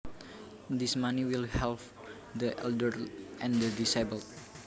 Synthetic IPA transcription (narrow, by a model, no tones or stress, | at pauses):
d̪ismaniwilhɛlp | d̪əʔɛ̰ldərʔɛ̃nd̪ədisabəlt̚